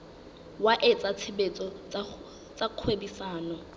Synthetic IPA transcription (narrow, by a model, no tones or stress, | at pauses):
waʔɪt͡sʼat͡sʰɪbet͡sʼɔt͡s | t͡sʼaq͡χʰwebisaːnɔ